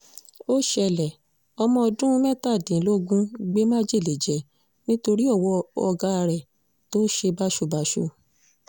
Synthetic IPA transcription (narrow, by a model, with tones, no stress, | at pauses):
o˦ʃɛ˧˨lɛ˨ | ɔ˧mɔ̃˧ɔ˧dũ˦mɛ̃˦ta˦˨dĩ˨˦lo˦ɡũ˦ɡ͡be˦mã˦d͡ʒe˦˨le˨d͡ʒɛ˨ | nĩ˦to˧ɾi˦ɔ˦˨wɔ˧˦ɔ˧ɡa˦a˧ɾɛ˨ | to˦ʃe˧ba˦ʃo˦˨ba˨ʃo˧˨